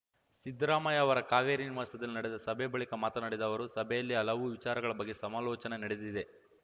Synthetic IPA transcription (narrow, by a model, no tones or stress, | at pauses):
sid̪ɾaːmɐjɐːʋɐɾɐkaːʋeːɾiniʋaːsɐd̪ɐlinɐɽed̪ɐsɐbʱɛbɐɭikɐmaːt̪ɐnɐɽed̪ɐʋɐɾusɐbʱɛjɐlːiɐlɐʋuʋit͡ʃaːɾɐɡɐɭɐbɐɡːe̞sɐmaːlɔːt͡ʃɐnenɐɽed̪id̪e̞